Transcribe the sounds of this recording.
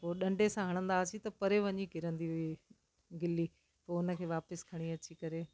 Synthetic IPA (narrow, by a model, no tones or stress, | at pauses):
poːɗɐ̃ɳɖesãɦɐɽ̃ə̃nd̪aːsʰit̪ɐpɐɾeʋɐɲikɪɾə̃nd̪iɦʊi | ɡɪli | poːʊnə̆kʰeːʋaːpɪskʰɐɽ̃iɐt͡ɕikɐɾeː